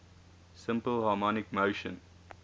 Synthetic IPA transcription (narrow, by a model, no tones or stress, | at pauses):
sɪ̃mpəlhɑːmɔnɪkmoʃə̰̃n